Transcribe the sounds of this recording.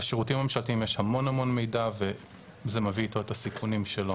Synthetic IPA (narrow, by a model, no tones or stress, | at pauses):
aʃeʁutimamemʃaltimjeʃhamo̞nhamo̞nme̞jdave | zemeviːto̞etasikʰunimʃelo